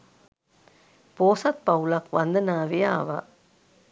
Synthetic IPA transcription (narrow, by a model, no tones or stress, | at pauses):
poːsɐt̪̚pɐwlɐkʋɐnd̪ɐnaːʋejaːʋa̰